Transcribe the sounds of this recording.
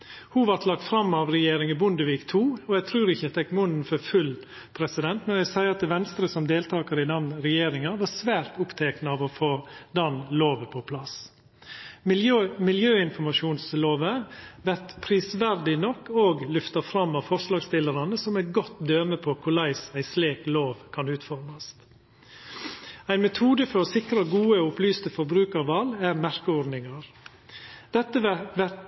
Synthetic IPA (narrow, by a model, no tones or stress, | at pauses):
huʋɑɾt̪lɑk̚t̪fɾɑmːɑʋɾɛjeːɾɪŋɪbʊnd̪əʋiːkt̪ʰuːɔæɡt̪ʰɾʉːɾɪçət̪ʰɛkːmʊnnfɔɾfʉl | pʰɾɛsɪd̪ɛnt̪mɛnæɪsæɪɾɑt̪ɛʋɛnst̪ɾəsɔmd̪eːlt̪ʰɑːkəɾɪd̪ɑnɾɛjeːɾɪŋɑʋɑɾsʋæːɾt̪ʊpt̪ʰɛknəɑʋɔfoːd̪ɑnloːʋəpʰɔpʰlɑs | mɪljøːɪnfɔɾmɑʂuːnsloːʋəʋæɾt̪pʰɾiːsʋæɾd̪ɪnɔkːoːɡlʏft̪ɑfɾɑmːɑʋfɔɾʂlɑːɡst̪ɪləɾɑnəsɔmæɪt̪ɡɔt̪ːd̪øːməpʰɔkʰʊɭæɪsæɪsleːkloːʋkʰɑnʉːt̪fɔɾmɑst̪ | æɪnmɛt̪ʰuːd̪əfɔɾɔsɪkɾɑɡuːəʊplyːst̪əfɔɾbɾʉːkəɾʋɑlːæɾmæɾkəɔɾnɪŋɑɾ | d̪̥ɛt̪ːəʋæt̪